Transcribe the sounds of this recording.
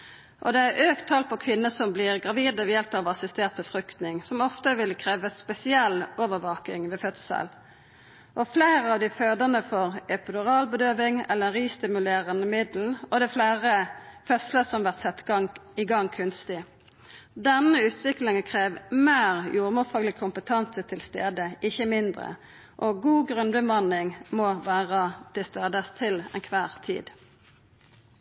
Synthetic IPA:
ʔɔd̪ɛæɾʔøːkt̪ʰːɑlpʰɔkʰʋɪnːəsɔmblɪʁɡʁɑʋiːd̪əʋɛjɛlpɑʋɑsɪst̪eːʁt̪̚pɔfʁʏkt̪nɪŋsɔmɔft̪əʋɪlkʰɾeːʋəspɛsɪɛlːoːʋəʁʋoːkɪŋʋɛfœt̪sə̰l | ʔɔfleɪɾəɑʋd̪ɪføːd̪ənəfɔɾɛpəd̪ʊʁɑːlbəd̪øːʋɪŋɛ̰lːəɾɛnʁiːst̪ɪmʉleːʁənəmɪd̪l̩n̩ɔd̪ɛflæːʁəfɛsləsɔmʋæʁt̪sɛt̪ːɡɑŋɪɡɑŋːkʰʉnst̪ɪ | d̪ɛnəʉːt̪ʰʋɪklɪŋəkʰʁeːʋmeːʁjuːʁmʊfɑːɡlɪɡkʰʊmpət̪ʰɑnsət̪ʰɪlst̪ḛːd̪əʔɪçəmɪnd̪ʁə̰ | ʔɔɡuːɡʁʉnbəmɑnɪŋmɔʋæːʁət̪ʰɪlst̪eːd̪əst̪ʰɪlɛ̰nkʰʋæːʁt̪ʰḭːd̪

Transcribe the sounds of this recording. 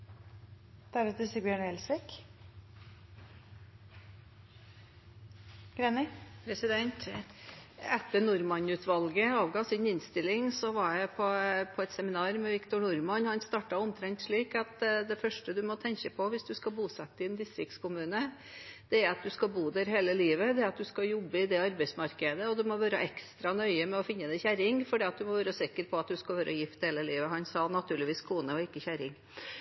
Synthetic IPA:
d̪̥æɾət̪ɪsɪbjøːɳɛlsʋɪk | ɡ̥ɾenɪpʰɾɛsɪd̪ɛnt̪ | ɛt̪ːənʊɾmɑnʉːt̪ʋɑlɡəɑːʋɡɑːsɪnɪnst̪ɪlːɪŋsɔʋɑɾjæɪpʰɔpʰɔɛt̪sɛmɪnɑːɾmɛʋɪkt̪ʊɳʊɾmɑnhɑnst̪ɑːʈɑɔmt̪ʰɾɛŋt̪ʂɭiːkɑt̪d̪ɛfœʂʈəd̪ʉmɔt̪ʰɛŋkəpʰɔʋɪsd̪ʉskɑbuːsɛt̪ːəɪɛnd̪ɪst̪ɾɪk̚t̪skʰʊmʉːnə | d̪̥ɛæɾɑt̪̚d̪ʉskɑbuːd̪æɾɦeːləliːʋəd̪ɛɾɑt̪̚d̪ʉskɑjɔbːəɪd̪ɛɑɾbɛɪsmɑɾkəd̪əɔd̪ʉmɔʋæːɾəʔɛkst̪ɾɑnœʏəmɛɔfɪnːəd̪ɛçæɾɪŋfɔɖiːɑt̪̚d̪ʉmɔʋæːɾəsɪkːəɾpʰɔɑt̪̚d̪ʉskɑlʋæːɾʔəjɪft̪heːləliːʋəɦɑnsɑnɑt̪ʰʉːɭɪʋiːskʰuːnəɔɪkːəçæɾɪŋ

